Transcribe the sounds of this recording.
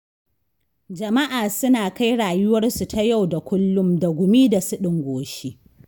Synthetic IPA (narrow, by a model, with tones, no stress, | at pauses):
d͡ʒɐ˨ma˦ʔaː˨sʊ˦naː˨ka˦jɽaː˨jʊ˦wɐ˦rsu˨tʰa˦ja˦˨wda˨kʷʊ˦lːʊ˦mda˨ɡʷʊ˨miː˦da˨sʊ˦ɗɪ˨ŋɡʷoː˨ʃiː˦